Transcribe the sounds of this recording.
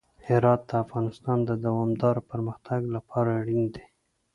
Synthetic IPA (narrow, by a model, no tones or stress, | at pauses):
hɪɾɑt̪̚d̪əafɣɑnɪst̪ɑnd̪əd̪awɑmd̪ɑɾopəɾməxt̪ʰaɡlapʰɑɾaɽind̪e